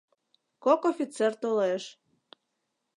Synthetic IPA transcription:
kokofʲit͡sert̪oleʃ

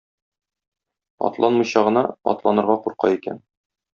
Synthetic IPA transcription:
ɒ̰t̪lˠɑnmɤ̆jɕɑʁɤ̆nɑɒ̰t̪lˠɑnɤ̆ɾʁɑquɾqɑikæ̰n

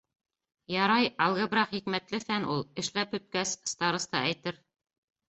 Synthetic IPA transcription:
jɑɾɑjɑlˠʁɤ̆bɾɑqχikmæt̪lɘfænulˠɘ̆ʃlæphɵ̆t̪̚kæsst̪ɑɾɤ̆st̪ɑæjt̪ɘɾ

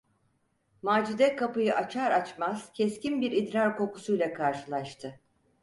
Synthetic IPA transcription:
maːd͡ʒid̪ɛkʰapɯjɯʔat͡ʃʰaɾat͡ʃmaz̥cʰɛscinbiɾid̪ɾaɾko̞ku̥sujlʲˠakʰaɾʃɯlˠaʃt̪ʰɯ

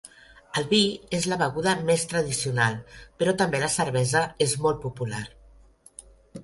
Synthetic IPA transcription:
əlˠβiezləβəɣuðəmest̪ɾəð̞isiunalˠpəɾɔt̪əmbeləsəɾβɛzəezmɔlˠt̪̚pupular

